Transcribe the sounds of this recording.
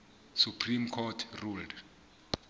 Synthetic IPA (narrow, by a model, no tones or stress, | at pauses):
supʰrimkʰɔtʰruld